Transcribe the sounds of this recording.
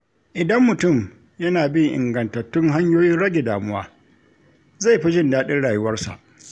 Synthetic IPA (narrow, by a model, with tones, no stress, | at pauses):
ʔɪ˨dɐ˦mːʊ˨tʊ˦˨m | jɐ˦naː˨bɪ˦ŋʔɪ̰˨ŋɡɐ˨ntɐ˨tːʊ˦ŋɦa˦ɲjoː˦jɪ˦nɽɐ˦ɡʲe˨daː˨mʊ˦wa̰ː˦ | za˦˨jɸi˦d͡ʒɪ˦ndaː˦ɗɪ˦nɽaː˨jʊ˦wɐ˦rsa̰˨ʔ